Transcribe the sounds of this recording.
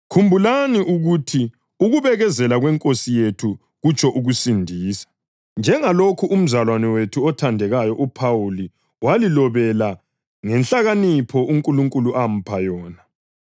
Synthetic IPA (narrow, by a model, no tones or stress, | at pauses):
kʰumbʱulaniʔuɣutʰi | uɣuβɛɣɛzɛlaɣwɛŋkʼosijetʰu | ɣut͡ʃʰɔʔuɣusindʱiːsḁ | nd͡ʒʱɛŋalokʰuʔum̩zalwanɛwetʰuɔtʰandʱɛɣajɔʔupʰawuli | walilɔβɛla | ŋɛnɬaɣanipʰɔʔuŋkʼuluŋkʼuluʔam̩pʰajɔːna